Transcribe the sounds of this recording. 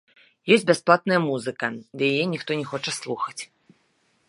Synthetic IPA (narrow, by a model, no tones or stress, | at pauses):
jɔsʲbʲasplˠat̪̚nɐjɐmuzɨkɐd̪ɐjajɛnʲixt̪ɔnʲɛxɔt͡ʂɐslˠuxɐt͡sʲ